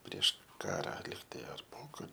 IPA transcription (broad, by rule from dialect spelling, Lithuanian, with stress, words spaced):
pʲrʲiɛʃ ˈkɑːrɐ ˈlʲiːktɐɪ ɐr ˈpoːkɐr